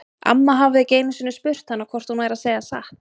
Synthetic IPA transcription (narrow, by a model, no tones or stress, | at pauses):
ʔa̰mːaɦavɪðɪceːjmɪsʏnːʏspʏr̥t̪hanːakʰvɔr̥t̪hunvaːjɾaðseːjɣasaxt̪